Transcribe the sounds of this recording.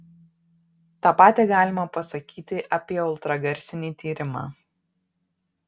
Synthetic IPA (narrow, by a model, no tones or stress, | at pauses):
t̪ɑːpɑːt̪ʲeːɡɑːlʲɪmɐpɐsɐkʲiːt̪ʲɪʔɐpʲiɛʊlˠt̪ɾɐɡɐɾʲsʲɪnʲiːt̪ʲiːɾʲɪmɑ̰ː